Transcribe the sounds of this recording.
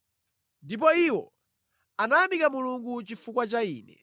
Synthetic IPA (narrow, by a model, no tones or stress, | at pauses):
ndip̬ɔiwɔ | anajamikamuluŋɡut͡ʃifukwat͡ʃaiːnɛ̰